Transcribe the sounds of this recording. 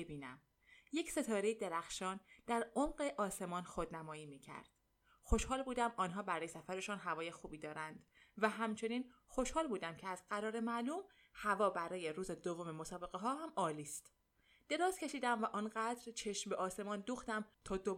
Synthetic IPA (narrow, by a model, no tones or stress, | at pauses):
bebiːnæ̰m | je̞cse̞t̪ʰɒːɾejed̪e̞ɾæxʃɒːnd̪̥æɾomɢe̞ʔɒːse̞mɒːnxod̪næmɒːiːmiːcʰæ̰ɾd̪̥ | xo̞ʃhɒːlbuːd̪æmɒːnɦɒːbæɾɒːjesæfæɾe̞ʃunɦævɒːje̞xuːbiːd̪ɒːɾænd̪̥ | væɦæmt͡ʃʰe̞niːnxoʃhɒːlbuːd̪æmcʰeæzɢæɾɒːɾe̞mæluːm | hævɒːbæɾɒːje̞ɾuːzed̪ovːomemo̞sɒːbe̞ɣe̞ɦɒːɦæmɒːliːst̪ | d̪̥e̞ɾɒːzcʰe̞ʃiːd̪æmvæʔɒːnɢæd̪ɾt͡ʃʰe̞ʃmbeʔɒːse̞mɒːnd̪uːxt̪æmt̪ʰɒːd̪o